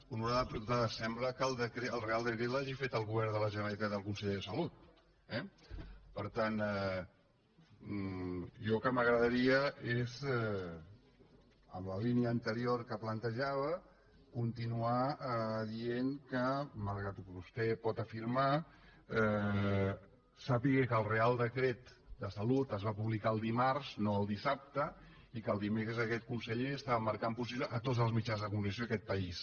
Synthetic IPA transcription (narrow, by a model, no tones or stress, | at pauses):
unuɾaðəpɾut̪aðsɛmbləkəlˠd̪əkɾeəlˠrealˠd̪əkɾelaʒifet̪əlˠɣuβɛɾnðələʒənəlit̪at̪əlˠkunseʎeðəsəlut̪ | ɛpəɾt̪anɛ | ʒɔlkəməɣɾəðəɾiəezɛ | ə̰mləliniəːnt̪əɾioɾkəplənt̪əʒaβə | kunt̪inuaðieŋkəməɾɣat̪ukβust̪ɛpɔt̪əfiɾma | ɛ | sapiɣekəlˠrealˠd̪əkɾet̪d̪əsəlut̪əzβapuβlikaəlˠd̪imaɾznoəlˠd̪isap̚t̪ə | ikəlˠd̪imekɾəzəkɛt̪̚kunsəʎeəst̪aβəməɾkampus̬iβləʔət̪odd͡zzəlˠzmit͡ʃanzðəkumuniəsjoəkɛt̪̚pəis